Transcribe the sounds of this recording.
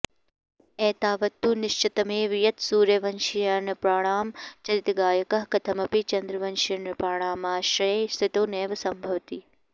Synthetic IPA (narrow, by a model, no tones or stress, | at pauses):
eːt̪aːʋɐt̪ːuːnɪʃt͡ʃit̪ɐmeːʋijɐt̪suːɾjɐʋɐnʃijanɐpɾaːɳ̃aːmt͡ʃɐɾit̪ɡaːjɐkɐɦkɐt̪ʰɐmɐpit͡ʃɐnd̪ɾɐʋɐnʃijɐɳɐpɾaːɳ̃aːmaːʃɾɐst̪ʰit̪oːneːʋɐsɐmbʱɐʋt̪i